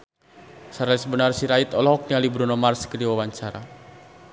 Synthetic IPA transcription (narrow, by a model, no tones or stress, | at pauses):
saɾalisbənarsiɾait̪ɔlɔɦɔk̚nialibɾunɔmarskədiwawaɲt͡ʃaɾa̰